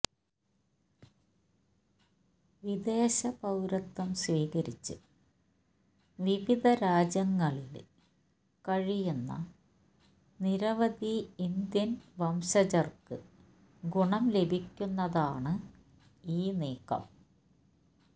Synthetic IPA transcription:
ʋid̪eːɕɐpɐwɾɐt̪ːɐmsʋiːkɐɾit͡ɕːɨ̰ | ʋiʋid̪ʱɐɾaːd͡ʑjɐŋːɐɭil | kɐɻijunːɐ̰ | niɾɐʋɐd̪iːnd̪jɐnʋɐmɕɐd͡ʑɐrkɨ | ɡuɳɐmle̞bʱikʲːunːɐðaːɳɨ | iːneːkɐ̰m

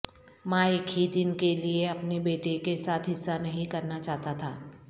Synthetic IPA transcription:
mãːɪkɦid̪ɪnkelieɐpnebeːʈekesaːt̪ʰɦɪsːanɐɦĩkɐɾnat͡ʃaːɦt̪at̪ʰaː

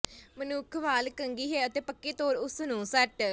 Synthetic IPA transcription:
mənuːkʰʋaːlkəŋɡiːɦeːət̪eːpəkːeːt̪oːɾʊsnũːsɛʈ

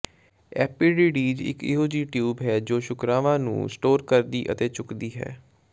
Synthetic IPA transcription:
ɛ̰ːpiːɖiːɖiːd͡ʒɪ̰kɪ̰ɦoːd͡ʒiːʈjuːbɦɛːd͡ʒoːʃʊkɾaːʋãːnṵ̃ːsʈoːɾkəɾd̪iːʔə̰t̪eːt͡ʃʊkd̪iːɦɛ̰ː

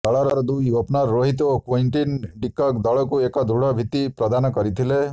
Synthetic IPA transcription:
d̪ɔɭɔɾɔɾd̪ujɔpnaɾːoɦit̪okoiɳʈinɖikːɔkd̪ɔɭɔkuekɔd̪ʱɾuɽ̤ɔbʱit̪ipɾɔd̪anɔkɔɾit̪ʰile

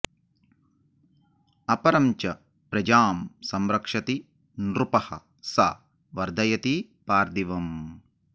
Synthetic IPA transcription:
ɐpɐɾɐmt͡ʃɐ | pɾɐd͡ʒaːmsɐmɾɐkʂɐt̪i | nɾupɐhɐ̰ | sɐ | ʋɐɾd̪ʱɐjɐt̪i | paːɾd̪iʋɐm

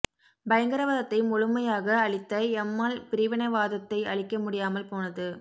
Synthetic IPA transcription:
bɐjɐŋɡɐɾɐʋɐːðɐt̪ːɐɪmʊɻʊmɐjaːɣɐːɭɪt̪ːɐɪɛmːaːlpɪɾɪʋɪnɐʋaːðɐt̪ːɐɪɐ̰ɭɪkːɐmʊɽɪjaːmɐlpoːnɐðɯ

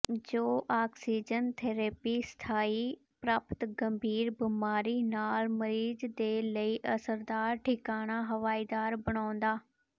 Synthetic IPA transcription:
d͡ʒoːʔaːksiːd͡ʒənt̪ʰeːɾeːpiːst̪ʰaːiː | pɾaːpt̪ɡəmbʱiːɾbimaːɾiːnaːlməɾiːzd̪eːləiːʔəsəɾd̪aːɾʈʰɪkaːɽ̃aːɦəʋaːid̪aːɾbəɽ̃aːnd̪aː

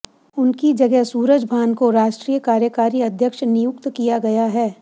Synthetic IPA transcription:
ʊnkid͡ʒɐɡɛɦsuːɾəd͡ʒbʱaːnkoɾaːʃʈɾiːjəkaːɾjəkaːɾiɐd̪ʱjəkʃnɪjʊkt̪kijaɡɐjaɦɛː

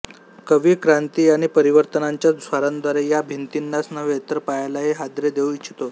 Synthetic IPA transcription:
kəʋiːkɾant̪iːaɽ̃ipəɾiʋəɾt̪ənaɲt͡ɕjasʋaɾand̪ʋaɾejabʱint̪inːasnəʋet̪əɾpajlaɦeɦad̪ɾed̪euit͡ɕʰi̥t̪o

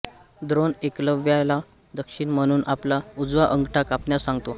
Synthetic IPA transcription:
d̪ɾonekləʋjala | d̪əkʂiːɳm̤əɽ̃uːnʔaplaud͡zʋaʔəŋɡʈʰakapnjasãŋɡt̪o

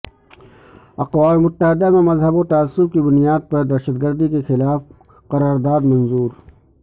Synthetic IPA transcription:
ɐqwaːmemʊt̪ːəɦɪd̪amẽmɐzɦəbot̪aːsːʊb̚kibʊnijaːd̪̚pɐɾd̪ɐɾʃəd̪ɡəɾd̪ikexɪlaːf | qɐɾaːɾd̪aːd̪mɐnzuːɾ

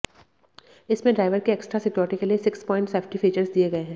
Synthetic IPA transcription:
ɪsmẽɖɾaːɪʋəɾkeɛːksʈɾasɪkɔːɾɪʈikeliesɪkspɔ̃ːɪ̃ɳʈseːfʈifiːt͡ʃəɾzd̪ieɡɐeɦɛ̃ː

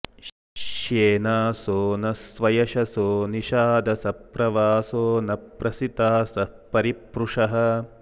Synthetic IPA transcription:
ʃeːnaːsoːnɐsʋɐjɐʃɐsoːniʃaːd̪ɐsɐpɾɐʋaːsoːnɐpɾɐsit̪aːsɐpɐɾipɾuʂɐɦɐ̆

